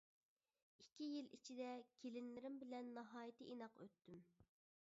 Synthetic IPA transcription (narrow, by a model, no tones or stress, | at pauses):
ikʲːijilit͡ʃʰid̪ɛkʲʰelɪnlɪɾɪmbɪlɛnːɑɦɑːjit̪ʰɨʔinɑqø̰t̪ːym